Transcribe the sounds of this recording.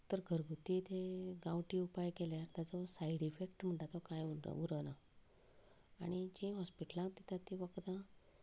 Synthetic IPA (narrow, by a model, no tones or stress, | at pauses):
t̪əɾɡʱəɾɡʱut̪it̪eɡãwʈiupajkeljaɾt̪ad͡zɔsaiɽifekʈm̤əɳʈat̪ɔkajṵuɾəna | aɽ̃id͡ʑĩɦɔspiʈəlãŋkt̪it̪ʰat̪ĩʋəkd̪ã